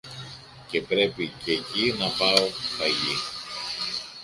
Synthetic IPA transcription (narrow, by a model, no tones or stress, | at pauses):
ce̞pɾe̞picecinɐpɐo̞tɐʝi